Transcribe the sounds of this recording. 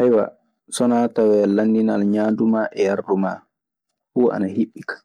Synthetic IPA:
hajwa̰ | sɔnatawɛlandinalɲaːndumaːʔɛjarduma | huːa̰nahiɓːikḁ

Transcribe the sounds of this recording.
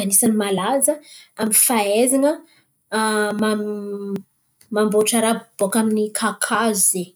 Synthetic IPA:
anisanimalazəaminfaezaŋə | ma | mamboʈ͡ʂaɾabbokaminikʰakʰaziz̥e

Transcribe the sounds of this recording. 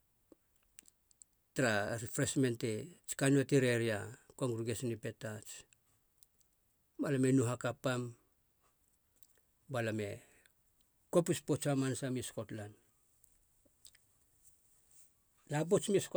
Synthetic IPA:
tɾaɾfɾesme̞ntet͡ʃi̥kanuatiɾeɾiakoŋɡɾuɡesnipe̞tat͡ʃ | balame̞nuɦakapːam | balame̞̰ | kopispot͡ʃamansamiskotlan | lap̬ot͡ʃmis

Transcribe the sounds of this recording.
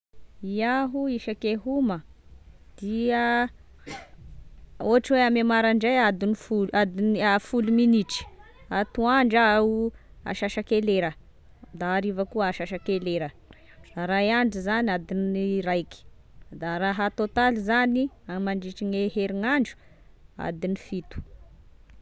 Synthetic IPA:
iaɦuiʃakeɦumə | d̪̥iə | oaʈ͡ʂiweamemaɾaɳɖ͡ʐejad̪inifuad̪inafuluminiʈ͡ʂi̥ | at̪uaɳɖ͡ʐaua̰ʃaʃakeleɾə | d̪aːɾivəkuəaʃaʃakeleɾə | d̪aɾajaɳɖ͡ʐizaniad̪inirajki̥ | d̪aɾaɦat̪ot̪alizani | amaɳɖ͡ʐiʈ͡ʂiŋeɦeɾiŋaɳɖ͡ʐu̥ | a̰d̪inifit̪u̥

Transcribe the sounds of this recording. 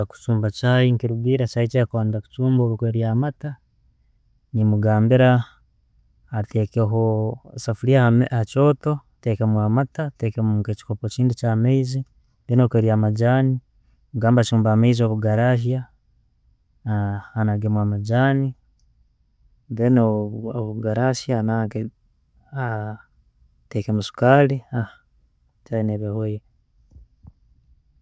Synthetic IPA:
aku̥t͡ʃuːmbat͡ʃajiŋkiɾuɡiɾat͡ʃait͡ʃeakwaːndaku̥t͡ʃuːmboɾukweɾiamata | nimuɡaːmbiɾa | tekeɦosafuliaahat͡ʃo̞ːto̞tekemwamatatekemuket͡ʃi̥kopot͡ʃiːndut͡ʃaːmeizi | deːnokweɾiamad͡ʒaːni | uɡaːmbat͡ʃiuːmbaːmeizoβuɡaɾaʃ̬ja | anaɡemwamad͡ʒani | denooβuɡaɾaʃjanaɡe | a | tekemusu̥kaːliah | t͡ʃajineβehoje

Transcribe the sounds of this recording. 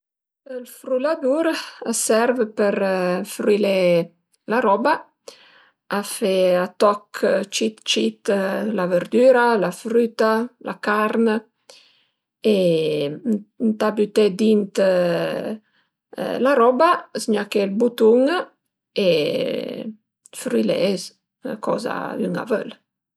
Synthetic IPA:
əlfɾulad̪uɾasɛɾvəpəɾfɾile | laɾɔba | afeat̪ɔkʰt͡ʃit̪t͡ʃit̪lavəɾd̪yːɾalafɾyt̪alʔa̰kaɾnə | e | nt̪abyt̪ɛd̪int̪ | laɾɔbasɲakelbut̪uŋ | e | fɾilɛ̰z | kɔ̰za̰yŋa̰vø̰l

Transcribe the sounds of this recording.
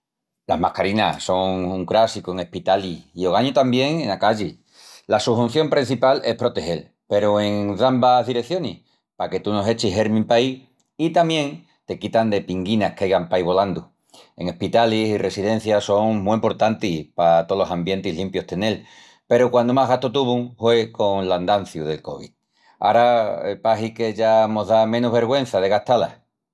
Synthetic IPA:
la̰zmahkaɾinaso̞ŋuŋkɾasikoeŋehpit̪aliio̞ɣaɲot̪ambje̞ŋenakaʎi | lasuhun̟θjo̞mpɾin̟θipale̞hpɾo̞t̪e̞he̞l | pe̞ɾoe̞ŋðambazðiɾekθjo̞nih | pake̞t̪uno̞se̞t͡ʃiɦe̞ɾmĩmpai | it̪amjẽ̞ŋ | t̪e̞kit̪and̪e̞piŋɡinahkeajɣampaiβ̞o̞land̪u | e̞̰ŋe̞hpit̪alisire̞siðe̞n̟θjaso̞ŋmuimpo̞ɾt̪ant̪ipat̪olo̞sambje̞nt̪iɦlimpjo̞ht̪e̞ne̞l | pe̞ɾokwand̪omaɦɣaht̪ot̪uβuŋhwe̞ko̞ŋland̪an̟θjuðe̞lko̞̰βḭt̪̚ | a̰ɾaepaɦike̞ʝamo̞ðamẽ̞nuɦβe̞ɾɣwẽ̞n̟θað̞e̞ɣaht̪ala̰

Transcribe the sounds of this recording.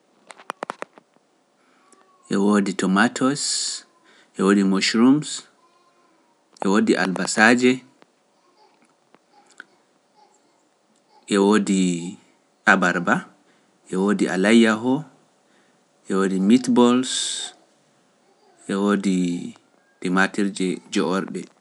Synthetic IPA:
ʔɛwoːditɔmatʰɔs | ʔɛwodimoʃɾums | ʔɛwoːdiʔa̰lbasaːd͡ʒɛ | ʔɛwoːdi | ʔabaɾba | ʔɛwodiʔa̰lajaɦɔ | ʔɛwodimitbɔls | ʔɛwodi | dimatiɾd͡ʒɛd͡ʒɔʔɔɾɗɛ

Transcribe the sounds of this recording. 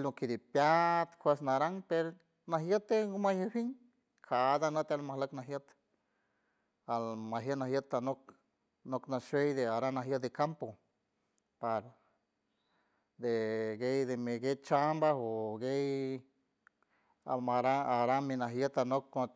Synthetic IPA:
lokid̪ipjat̪kʷesnaɾaŋpeɾ | naɦjət̪ːeɡomajehiŋ | kʰad̪anət̪almahləknaɦjət̪ | almaɦjənaɦjət̪ːanok̚ | noknaʃejd̪eaɾanaɦjət̪d̪ekampo | paɾ | d̪eɡejd̪emeɡet͡ʃambaɦoɡej | amaɾaaɾaminaɦjət̪anokːo

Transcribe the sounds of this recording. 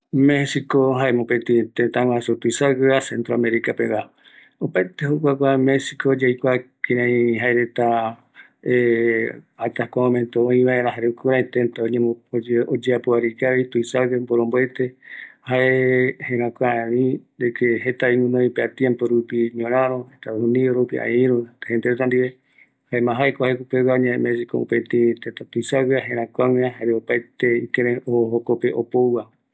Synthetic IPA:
mẽsikoɦaemõpet̪ĩt̪ẽnt̪aŋwasut̪uisaɡeasẽnt̪ɾoameɾikapeβa | opaet̪ehok̬ʷak̬ʷamesikoːd͡ʒejkʷakẽɾãĩɦaeɾet̪a | e | at̪ahkʷamõmẽnt̪oõĩβaeɾãɦaɾekuɾãĩt̪ẽnt̪aoɲẽmood͡ʒeapuaɾikaβit̪uisaɡemboɾõmboet̪e̞haʔehẽɾãkʷaeβĩd̪ekeɦet̪aimũnõĩpeat̪jẽmpoɾupiɲõɾ̃ãɾõhet̪ahũnioɾopiã̰ĩɾuhend̪eɾet̪and̪iβe | haemãɦajkohaekupewaoɲẽẽmẽsiko̰ṵpet̪ĩt̪et̪at̪uisaβiaɦẽɾãkʷawĩaɦaɾeopajt̪eikeɾẽoɦokopeʔopowwa

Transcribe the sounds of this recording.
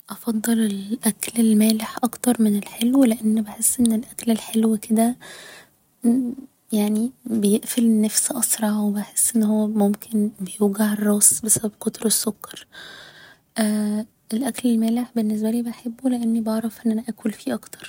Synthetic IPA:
ʔɑfɑd̪ˤːelelʔæklelmæːleħʔɑkt̪ɑɾˤmenelħelwleʔenːbeħesːʔenːelʔæklelħelwked̪æ | jaʕnibejeʔfelnːæfsʔɑsˤɾˤɑʕwebeħesːʔenːhowːæmomkʰenbejuːɡaʕerˤːɑːsbesæbæb̥̚kot̪ˤɾˤesːokːɑ̥ɾˤ | ʔ | elʔæklelmæːleħbenːes̬bæliːbeħebːoleʔenːibeʕɾˤɑfʔenːʔænæʔækulfiːʔɑkt̪ɑɾˤ

